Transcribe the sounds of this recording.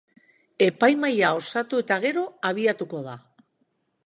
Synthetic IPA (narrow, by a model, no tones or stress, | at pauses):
e̞pajmajao̞sat̪ue̞t̪aɣ̞e̞ɾo̞aβiat̪uko̞ða